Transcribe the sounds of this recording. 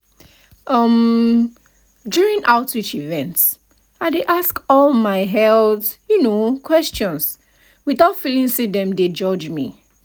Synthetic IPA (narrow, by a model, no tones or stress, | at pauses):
ʔʌm | djuɹĩŋʔaʊtit͡ʃivɛ̃nts | aɪdeʔaskɔlˠmaɪɦɛltjunokʰwɛst͡ʃɔ̃ns | wiθaʊtfilĩŋsedɛ̃mded͡ʒɔd͡ʒmḭ